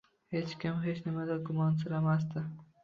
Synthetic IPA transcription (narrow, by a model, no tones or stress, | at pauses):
he̞t͡ʃkʲɪmɦe̞t͡ʃnɪmad̪aɡʊmɒnsɪɾamas̬d̪ɪ